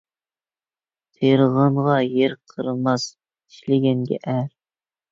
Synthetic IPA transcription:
t̪ʰeɾʁəɴʁɑjeɾqʰəɾɨmɑs | i̥ʃlɪɡʲɛnɡʲɛ̰ʔæɾ

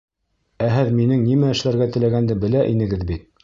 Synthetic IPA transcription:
æɦɘðminɘŋnimæɘ̆ʃlæɾɡæt̪ɘ̆læɡænd̪ɘbɘ̆læʔinɘ̆ɡɘðbit̪̚

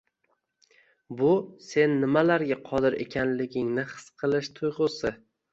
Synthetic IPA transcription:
bʊse̞nːɪmalaɾɡʲaqʰɒd̪ɪɾe̞̰kʲʰanlɪɡʲɪŋnɪχɨ̥sqʰɨlˠɪʃt̪ʰʊjʁʊsɪ

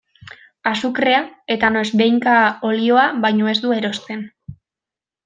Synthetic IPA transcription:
asukɾe̞ae̞t̪ano̞sbe̞jŋkao̞lio̞aβajɲo̞e̞zd̪ue̞ɾo̞st̪e̞n

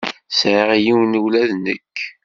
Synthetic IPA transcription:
sʕiʁjiwnuwlæðnə̰kː

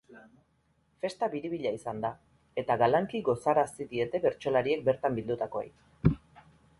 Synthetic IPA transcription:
fe̞st̪aβiɾiβiʎaisand̪a | e̞t̪aɣalaŋkiɣo̞saɾasiðie̞t̪e̞βe̞ɾt͡ʃo̞laɾie̞k̚be̞ɾt̪ambild̪ut̪ako̞ḛj

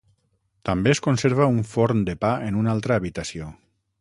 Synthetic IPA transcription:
t̪ambeːskonseɾβ̞auɱfoɾnd̪epaenunalˠt̪ɾaːβit̪asijo

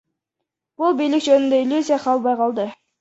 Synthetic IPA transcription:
b̥ʊlˠbijlɪkʒønynd̪eɪlʲjuzʲijaqʰɑlˠbɑjqʰɑlˠd̪ə

